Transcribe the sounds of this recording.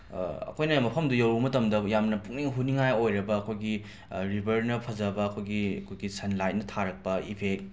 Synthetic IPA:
ɐ̰kʰojnɐmɐpʰɐmdujɐwɾumɐtɐmdɐjamnɐpuk̚niŋɦuniŋajojɾɐbɐːkʰojɡi | ɾibʱɐɾnɐpʰɐzɐbɐːkʰojɡiɐ̰kʰojɡisɐnlajt̚nɐtʰaɾɐk̚pɐipʰek̚

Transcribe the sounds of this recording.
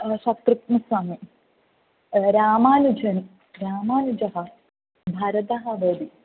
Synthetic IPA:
ʃɐt̪ɾukmɐsɐmɐ | ɾaːmaːnud͡ʒɐni | ɾaːmaːnud͡ʒɐɦɐ̆ | bʱɐɾɐt̪ɐɦɐʋɐd̪i

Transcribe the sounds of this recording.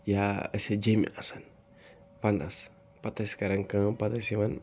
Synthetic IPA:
jaəsed͡ʒema̰ʔasan | pand̪as | pat̪askaɾaŋkãpat̪esiwan

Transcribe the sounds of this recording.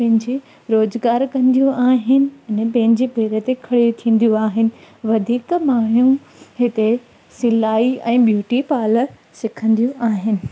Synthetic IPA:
pɐ̃ɦɪ̃ɲd͡ʑiː | ɾoːzɡaːɾkɐ̃nd̪ijũaːɦɪnɪ̆ɪnɛpɐ̃ɦɪ̃n̆d͡ʑeːpeːɾət̪ekʰɐɽijut̪ʰĩːn̆d̪ijũaːɦɪnɪ̆ʋɐd̪ʱiːkmaːɳjũ | ɦɪt̪e | sɪlaːiɛ̃ːɓjuːʈipaːlə | sɪkʰə̃nd̪ijũʔaːɦɪnɪ̆

